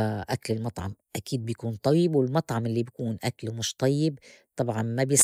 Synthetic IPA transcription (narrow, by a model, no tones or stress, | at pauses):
ʔaklɪlmɑt̪ˤʕɑ̰mʔakiːd̪̚bjkuːnt̪ˤɑjːɪbwɪlmɑt̪ˤʕɑmʔɪlːibakuːnʔaklwmʊʃt̪ˤɑjːɪb | t̪ˤɑbʕɑnmabjɪs